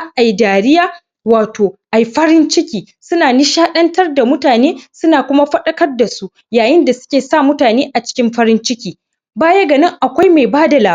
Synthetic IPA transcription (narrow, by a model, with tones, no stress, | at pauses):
ʔa˨jdaː˨ɽɪ˦jaː˦ | waː˨toː˨ʔa˨jɸɐ˦ɾɪ˦nt͡ʃɪ˦kʲiː˨ | sʊ˦naː˨nɪ˦ʃaː˦ɗɐ˦ntɐ˦rda˨mʊ˦taː˨neː˦sʊ˦naː˨kʷʊ˦ma˦ɸɐ˦ɗɐ˦kɐ˦rda˨su˦ | jaː˨jɪ˦nda˨sʊ̥˦kʲeː˨sa˦˨mʊ˦taː˨neː˦ʔa˨t͡ʃɪ̥˦kʲɪ˦mɸɐ˦ɾɪ˦nt͡ʃɪ˦kʲiː˨ | baː˦ja˦ɡɐ˨nɪ˦ŋʔa˨kʷa˦jma˨jbaː˦da˨laː˨˦